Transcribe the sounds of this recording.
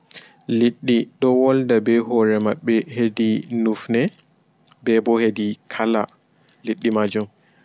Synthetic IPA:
liɗːiɗɔwɔldabɛɦɔɾɛmaɓːɛhedinufnɛ | bɛbɔhedikʰala | liɗːimad͡ʒum

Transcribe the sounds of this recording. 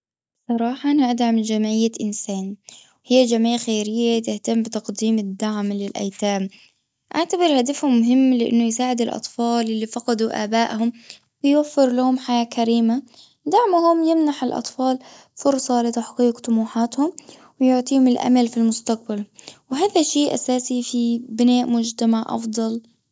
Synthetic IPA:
sˤɑɾˤɑːħɑʔanaʔad̪ʕamd͡ʒamʕɪjːaʔɪnsaːnwhɪjːad͡ʒamʕɪːxeːɾɪjːat̪ɪht̪amːbɪt̪ɑqd̪iːmɪd̪ːaʕmlɪlʔa̰jt̪aːm | ʔaʕt̪abɪɾhad̪afhʊmːʊɦɪmːlɪʔɪ̰nːʊjsaːʕɪd̪ɪlʔɑ̰t̪ˤfɑːlʔɪlːifɑqɑd̪uʔa̰ːbaːʔhʊm | wɪjwafːɪɾlahʊmħajaːkʰaɾiːma | d̪aʕmʊhʊmjɪmnaħɪlʔɑ̰t̪ˤfɑːl | fʊɾsˤɑlɪt̪aħqiːqt̪ˤʊmuːħaːt̪hʊm | wɪjʊʕt̪ˤiːhʊmɪlʔa̰malfilmʊst̪aq̚balwɪɦaːðaʃeːʔa̰saːsifibɪnaːʔmʊd͡ʒt̪amaʕʔɑ̰fd̪ˤɑl

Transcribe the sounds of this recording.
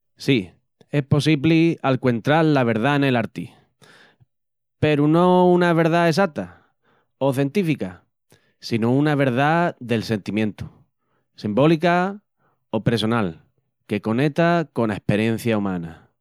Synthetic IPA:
si | e̞hpo̞siβlialkwe̞nt̪ɾaɾlaβ̞e̞ɾð̞aene̞laɾt̪i | pe̞ɾuno̞unaβ̞e̞ɾðaes̬at̪a | o̞θjent̪ifika | sinounaβ̞e̞ɾðaðe̞lse̞nt̪imjẽnt̪u̥ | simbo̞lika | o̞pe̞ɾso̞nal | ke̞ko̞ne̞t̪ako̞naehpe̞ɾje̞n̟θjaumãna̰

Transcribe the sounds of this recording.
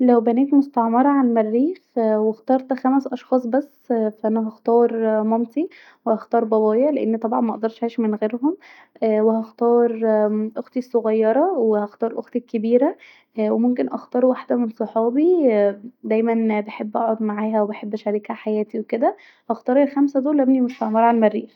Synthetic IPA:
læwbæneːt̪most̪ɑʕmɑɾˤɑʕanmærːiːxwext̪ɑːɾˤt̪xæmæsʔɑʃxɑːsˤbæsːfæʔænæɦɑxt̪ɑːɾˤmɑmt̪i | wehɑxt̪ɑːɾˤbɑβɑːjeʕleʔenːt̪ˤɑbʕɑnmæʔd̪ɑɾˤʃʕiːʃmenɣeːɾɦom | wehɑxt̪ɑːɾˤʔoxt̪isːoɣɑjːɑɾˤɑwehæxt̪ɑːɾˤʔo̰xt̪ikːebiːɾæ | wemomk̬enʔɑxt̪ɑːɾˤuwaħd̪æmensˤoħɑːbi | d̪æjmænbeħebːʔɑ̰ʕod̪maʕaːɦæwebeħebːʔæʃæɾiːkhæħajæːt̪iweked̪æ | hɑxt̪ˤɑːɾˤelxæmsæd̪oːlːæbnimeʃæʕmɑɾˤʕælmærːiːx

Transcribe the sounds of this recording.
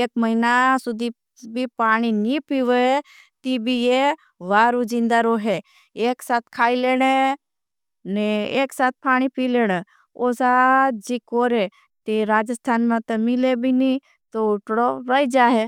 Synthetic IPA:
eːkməɦinasʊd̪ʱi | bʱipaːɽ̃inipiʋəe | t̪ibʱije | ʋaːɾud͡ʒĩnd̪aɾoɦe | eːksaːt̪̚ʰkʰaːileːɽ̃e | neeːksaːt̪̚pʰaːɽ̃ipileːɽ̃e | osad͡ʒikoːɾe | t̪iɾaːd͡ʒəst̪ʰaːnmẽt̪ɐmɪlebʱini | t̪oʊʈɽoɾəid͡ʒaːɦe

